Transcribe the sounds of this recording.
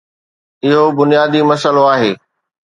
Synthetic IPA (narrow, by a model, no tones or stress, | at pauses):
ɪɦobʊnijaːd̪imɐsəloaːɦeː